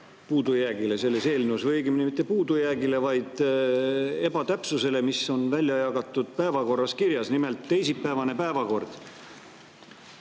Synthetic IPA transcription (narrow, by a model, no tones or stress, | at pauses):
puːd̪̥ujæːɡile̞se̞lːe̞se̞ːlnusvɤjɡimnimit̪ːˑepuːd̪ujæːɡile̞vɑjd̪̥ | e̞bɑt̪æpsuse̞le̞miso̞nvælʲjɑjɑɡ̥ɑt̪ːˑud̪̥̚pæevɑko̞rːɑskiɾjɑsnime̞lt̪ːe̞jsipːæevɑne̞pæevɑko̞rd̪̥